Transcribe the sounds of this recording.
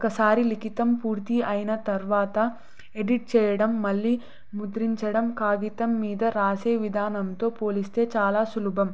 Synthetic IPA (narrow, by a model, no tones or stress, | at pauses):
kɐsaːɾilikit̪ɐmpuːɾt̪iɐjnɐt̪ɐɾʋaːt̪ɐ | eɖiʈ̚t͡ʃɛːjɐɽɐmːɐlːi | mud̪ɾiɲt͡ʃɐɽɐmkaːɡit̪ɐmːiːd̪ɐɾaːseːʋid̪ʱaːnɐmt̪o̞ːpoːlist̪e̞ːt͡ʃaːlaːsulubɐm